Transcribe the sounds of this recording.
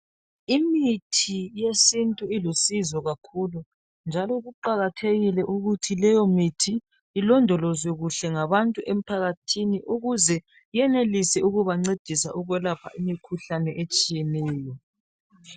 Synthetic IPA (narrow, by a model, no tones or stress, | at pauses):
imitʰijesintʼuilusizɔɣakʰulu | nd͡ʒʱalɔɣuǃaɣatʰeɣilɛʔuɣutʰilɛjɔmitʰiː | lɔndʱɔlɔzwɛɣuɬɛŋaβantʼuʔem̩pʰaɣatʰiniʔuɣuzɛ | ijɛnelisɛuɣuβaŋ͡ǀed̥ʱisa̰ʔuɣwɛlapʰa̰ʔimikʰuɬanɛʔet͡ʃʼijɛnɛːjɔ